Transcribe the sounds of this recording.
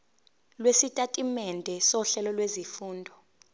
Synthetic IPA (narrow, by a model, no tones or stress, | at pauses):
lwesitʼatʼimɛndʱɛsɔɬɛlɔlwezifuːndʱɔ